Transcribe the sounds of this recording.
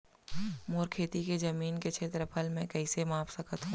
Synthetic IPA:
moːɾkʰeːt̪iked͡ʒɐmiːnket͡ʃʰeːt̪ɾəpʰəlmɛ̃kɐɪsemãːfsɐkət̪ɦũː

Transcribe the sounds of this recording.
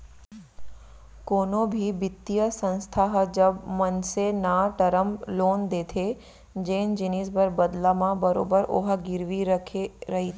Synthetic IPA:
koːnobʱibɪt̪ːijəsə̃nst̪ʰaɦd͡ʒəbmənsenaʈəɾəmloːnd̪eːt̪ʰe | d͡ʒeːnd͡ʒɪnisbəɾbəd̪lamãbəɾo̰ːbəɾo̰ːɦaɡɪɾʋiɾəkʰeɾɐɦit̪ʰe

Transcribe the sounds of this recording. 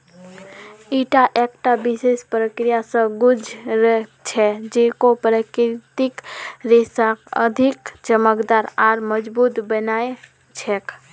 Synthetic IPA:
iːʈaʔek̚ʈabɪsespɾəkɾijasə̃ɡʊd͡ʒʱɾət͡ʃʰɛd͡ʒekopɾəkɾɪt̪ɪkɾesakə̰d̪ʱɪkd͡ʒəməkd̪aːɾaːɾməd͡ʒbuːt̪bənae | t͡ʃʰɛk

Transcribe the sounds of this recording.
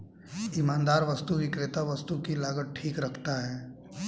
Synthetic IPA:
ɪmãːnd̪aːɾʋɐst̪uʋɪkɾɪt̪aʋɐst̪ukilaːɡəʈ̚ʈʰiːkɾɐkʰt̪aɦɛː

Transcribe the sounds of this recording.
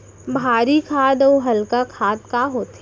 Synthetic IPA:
bʱaːɾikʰaːd̪ɔːɦɐlkakʰaːd̪kaɦoːt̪ː

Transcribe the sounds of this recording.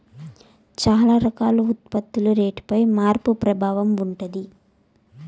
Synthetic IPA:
t͡ʃaːlaːɾɐkaːluut̪pɐt̪ːuluɾeːʈpɐjmaːɾpupɾɐbʱaːʋɐmuɳʈɐd̪i

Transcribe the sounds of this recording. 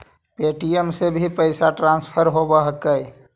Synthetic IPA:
peʈiəmsebʱipəɪsaʈɾãnspʰəɾɦobəɦkəj

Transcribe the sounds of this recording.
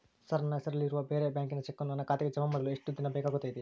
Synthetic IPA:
sɐɾnɐsɐɾɐliɾuʋɐʋeːɾeːbʲjaːŋk̬inɐt͡ʃekːɐnɐnːɐkaːt̪ikɐd͡ʒɐmɐmːɐd̪ɐlueʂʈud̪inɐbɛːkaɡut̪ɐːjd̪i

